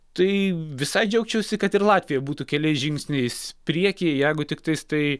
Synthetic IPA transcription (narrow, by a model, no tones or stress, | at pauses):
t̪ɐɪʋʲɪsɐɪd͡ʒʲɛʊkt͡ʃʲɛʊsʲɪkɐt̪ɪɾlˠɑːt̪ʲʋʲɪjɛbuːt̪uːkʲɛlʲɛɪsʒʲɪŋʲksʲnʲɛɪspʲɾʲiɛkʲɪjɛjɛɪɡʊt̪ʲɪkt̪ɐɪst̪ɐɪ